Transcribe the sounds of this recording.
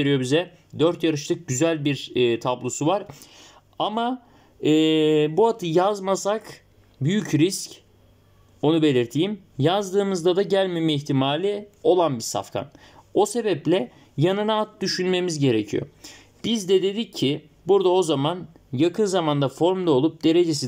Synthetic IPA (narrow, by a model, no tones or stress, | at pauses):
t̪eɾijo̞bizɛ | d̪øɾt̪jaɾɯʃlˠɯk̚ɟyzælʲbiɾːt̪ʰablˠosuvaɾ | ama | ɛːbuat̪ʰɯjazmasak | byjycɾisc | o̞nube̞lʲiɾt̪ʰijim | jazd̪ɯːmɯzd̪ad̪aɟælʲmemɛiçt̪ʰimaːlʲio̞lˠanbiɾsa̰fkʰa̰n | o̞se̞bɛplʲɛ | janɯnaːt̪̚d̪yʃynme̞mizɟe̞ɾe̞cʰḭjo̞̰ | b̥izd̪ɛd̪e̞d̪icʰːi | buɾd̪ao̞zaman | jakʰɯnzamand̪afo̞ɾmd̪ao̞lˠup̚d̪e̞ɾe̞d͡ʒe̞s̬i